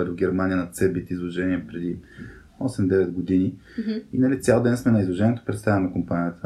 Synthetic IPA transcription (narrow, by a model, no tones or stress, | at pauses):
ɛt̪ʊvɡʲɛɾmanʲijənɐt̪sɛbit̪izlˠoʒɛniɛpɾɛd̪i | ɔsɛmd̪ɛvɛd̪ɡod̪ini | inɐlit̪sʲalˠd̪ɛnsmɛnɐizlˠoʒɛnʲiɛt̪ʊpɾɛt̪st̪avɛnɛnɐkompanʲijət̪ə